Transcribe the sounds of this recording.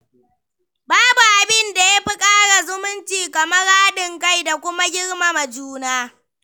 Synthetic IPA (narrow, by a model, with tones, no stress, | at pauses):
baː˦bu˨ʔa˨bɪ˦nda˨ja˦ɸi˦kʼaː˦ɽa˨zʊ˦mʊ˦nt͡ʃiː˨kɐ˨mɐ˦ɽaː˦ɗɪ˨ŋka˦jda˨kʷʊ˦ma˦ɡʲɪ˦ɽma˨ma˨d͡ʒuː˦naː˦